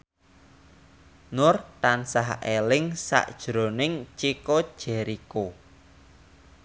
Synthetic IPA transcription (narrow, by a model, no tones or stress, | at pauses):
nʊrt̪ansaɦelɪŋsa̰ʔd̥ʒ̥ɾo̤nɪŋt͡ʃikod̥ʒ̥ɛ̤ɾiko